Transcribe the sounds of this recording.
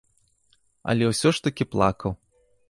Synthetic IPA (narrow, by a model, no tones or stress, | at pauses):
ɐ̰lʲɛwsʲɔʂt̪ɐkʲiplˠa̰kɐw